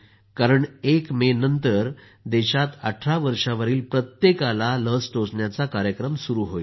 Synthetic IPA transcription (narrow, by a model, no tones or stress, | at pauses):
kaɾəɳekmenənt̪əɾ | d̪eɕat̪a̰ʈʰɾaʋəɾʂaʋəɾiːlpɾət̪jekalaləsʈosɳjat͡sakaɾjəkɾəmsuɾuːɦojl